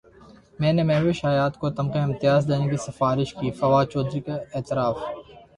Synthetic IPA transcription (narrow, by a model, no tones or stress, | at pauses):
mɛ̃ːnemɛ̃ːʋɪʃaːjaːt̪kot̪ɐmqeɪ̃mt̪ɪjaːzd̪eːnekisɐfaːɾɪʃkiːfɐʋaːt͡ʃɔːd̪ɾiːkeeːt̪ɪɾaːf